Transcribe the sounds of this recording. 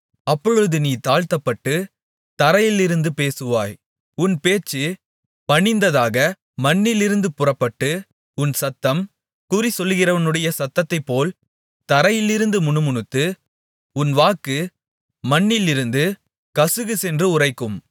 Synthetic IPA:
ɐpːɔɻɯðɯniːt̪aːɻt̪ɐpːɐʈːɯ | t̪ɐɾɐjɪlɪɾɯnd̪ɯpeːsɯʋaːj | ʊnpeːt͡ʃːɯ | pɐɳɪnd̪ɐðaːɣɐ | mɐɳːɪlɪɾɯnd̪ɯpʊrɐpːɐʈːɯ | ʊnsɐt̪ːɐm | kuːrisɔlːɣɪrɐʋɐnɯɽɐjɐsɐt̪ːɐt̪ːɐɪpːoːl | t̪ɐɾɐjɪlɪɾɯnd̪ɯmʊɳɯmʊɳɯt̪ːɯ | ʊnʋaːkːɯ | mɐɳːɪlɪɾɯnd̪ɯ | kɐsɯɣɯsɛndrɯʊrɐɪkːɯm

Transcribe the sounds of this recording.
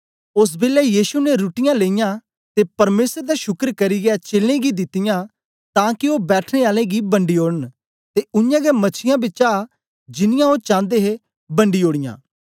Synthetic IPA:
ʊs̬bɪlɛːjiːsuneɾʊʈɪjãːleːɪjãː | t̪eːpɐɾmeːsəɾd̪aʃʊkəɾkɐɾiɡɪat͡ʃeːlẽːɡid̪ɪt̪ːɪjãː | t̪ãːkɪoːbɛːʈʰneːaːlẽːɡibəɳɖiːoːɽən | t̪eʊnjãːɡɛmɐt͡ʃʰɪjãbɪt͡ʃa | d͡ʒɪnɪjãːoːt͡ʃãːnd̪eːɦe | bəɳɖiːoːɽɪjã̰ː

